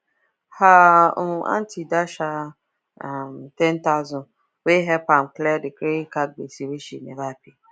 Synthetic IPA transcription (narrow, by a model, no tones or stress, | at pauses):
haa̰ntʰidaʃa | mtɛntazɔ̃n | weɦɛpam̩klɛdɪkɾekaɡ͡bḛsiweʃḭnevapi